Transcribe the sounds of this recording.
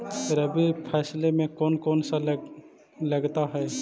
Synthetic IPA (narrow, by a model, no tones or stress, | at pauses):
ɾəbʱipʰɛːslemẽkɔːnkɔːnsal | ləɡt̪aɦɛː